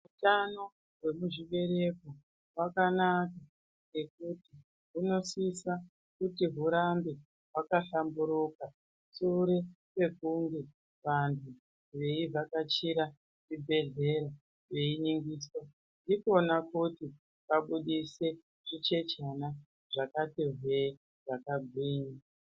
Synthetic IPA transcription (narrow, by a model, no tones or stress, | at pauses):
ɦutano̞ | we̞muʐiʋe̞ɾe̞ko | wakanaka | ŋɡe̞k̚uti | ɦuno̞sisa | kutiɦuɾambe | ɦwakaɬambuɾuka | suɾe | pe̞kuŋɡe | ʋantʰu | reivakat͡ʃiɾa | ʐibʱe̞ɮe̞ɾa | ʐeiɲiŋɡiːswa | ndiko̞nakuti | kaɓuɗise̞ | ʐit͡ʃe̞t͡ʃana | ʐ̥akatiɦwe | ʐakaɡʱwiːna